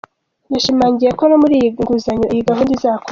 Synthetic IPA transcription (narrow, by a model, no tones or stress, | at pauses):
naʃimaːɲɟijekonomuɾiːjiɡuzaɲoijiɡaɦuːndizaːko